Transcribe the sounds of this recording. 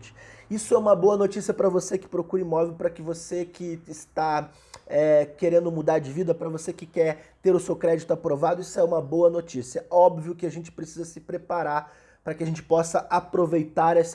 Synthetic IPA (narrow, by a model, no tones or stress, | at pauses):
t͡ʃɪ̥isʊɛũmɐboɐnot͡ʃisiɐpɾɐvosekɪ̥pɾokuɾɪimɔvewpɾɐkɪvosekɪːst̪a | ɛkeɾẽnd̪ʊmud̪aɾd͡ʒɪvid̪ɐpɾɐvosekɪkɛɾt̪eɾʊsewkɾɛd͡ʒit̪ʊapɾovad̪ʊisʊɛũmɐboɐnot͡ʃisiɐɔbviʊkɪaʒẽnt͡ʃɪ̥pɾesizɐsɪpɾepaɾaɾ | pɾɐkɪaʒẽnt͡ʃɪ̥pɔsɐapɾovejt̪aɾɛs